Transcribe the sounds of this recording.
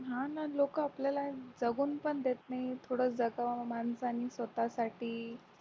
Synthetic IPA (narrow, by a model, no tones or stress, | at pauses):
ɦãnalokəapljalad͡zəɡuːnpəɳd̪et̪nait̪ʰoɽəːt͡sd͡zəɡamansanisʋət̪asaʈiː